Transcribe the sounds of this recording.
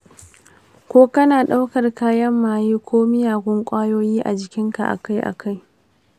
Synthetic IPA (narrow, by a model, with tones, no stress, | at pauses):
kʷoː˦kɐ˦naː˨ɗa˦wkɐ˨rkaː˦jɐ˦mːaː˨jiː˦kʷʰoː˦mɪ˦jaː˨ɡʷʊ˦ŋkʷʼaː˦joː˦jiː˦ʔa̰˨d͡ʒɪ˨kʲɪ˦ŋka̰˨ʔa̰˨ka˦jʔa̰˨ka˦j